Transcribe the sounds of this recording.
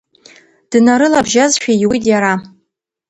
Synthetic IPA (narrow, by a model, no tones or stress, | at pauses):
d̥naɾɨlabʒazʃᶣawitʼjaɾa